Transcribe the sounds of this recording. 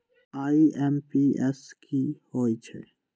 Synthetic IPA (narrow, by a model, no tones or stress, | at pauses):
aːiɛmpiɛskʰihoːit͡ʃʰḛ